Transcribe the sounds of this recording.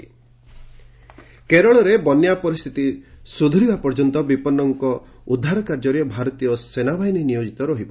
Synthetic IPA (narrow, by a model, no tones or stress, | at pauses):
keɾɔɭɔɾebɔnjapɔɾist̪ʰit̪isud̪ʱuɾibapɔɾd͡ʒɔnt̪ɔbipɔnːɔŋkɔ | ud̪ʱːaɾɔkaɾd͡ʒɔɾiɔbʱaɾɔt̪ijɔsenabʱajnenijod͡ʒit̪ɔɾɔɦibɔ